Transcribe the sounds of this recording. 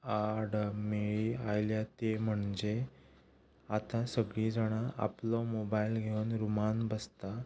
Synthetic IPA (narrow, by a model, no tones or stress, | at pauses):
aɾɽmeɭiajljat̪em̤əɳd͡ʑe | at̪ãsəɡɭiːd͡zaɽ̃aʔa̰plɔmobailɡʱeunɾumanbəst̪a